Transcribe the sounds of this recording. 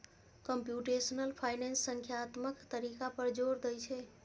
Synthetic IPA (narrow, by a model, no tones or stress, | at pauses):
kəmpjuʈesənəlpʰajnensːəŋkʰjaːt̪məkt̪əɾikapəɾd͡ʒoɾd̪əjt͡ʃʰɛ